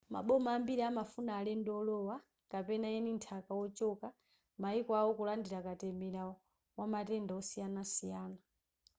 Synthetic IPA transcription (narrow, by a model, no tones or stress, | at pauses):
ma̰ɓɔmaːmbiɾiamafunaːlɛndɔlɔwa | kapɛnaɛnintʰakawɔt͡ʃɔka | maikwawɔkulandiɾakatɛmɛɾaɔ | wamatɛndaɔsijanasijaːna